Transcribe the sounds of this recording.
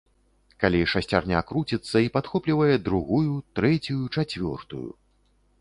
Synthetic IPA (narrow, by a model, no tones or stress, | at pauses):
kalʲiʂasʲt͡sʲa̰rnʲa̰kɾut͡sʲit̪sːɐipat̪xɔplʲivɐjɛd̪ɾuɣujut̪ɾɛt͡sʲujut͡ʂat͡sʲvʲɔ̰rt̪ṵjṵ